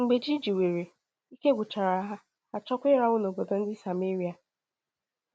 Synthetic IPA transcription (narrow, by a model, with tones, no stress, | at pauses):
ŋ͡m̩˨ɡ͡be˨d͡ʒi˦d͡ʒi˨we˨ɾe˨ | i˦ke˦ɡʷʊ˨t͡ʃa˨ɾa˨˦ɦa˦ | a˨t͡ʃɔ˦kʷɪ˦ɾa˦wʊ˦no˨bo˨do˨n̩˦dɪ˦sa˨me˦ɾi˦a˨